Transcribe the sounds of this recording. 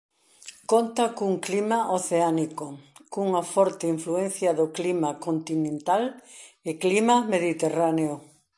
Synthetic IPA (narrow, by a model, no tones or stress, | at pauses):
kont̪akuŋklimaʔoθeanikokuŋafɔɾt̪eiɱfluen̟θjɐðoklimakont̪inẽnt̪alɪklimameðit̪eraneo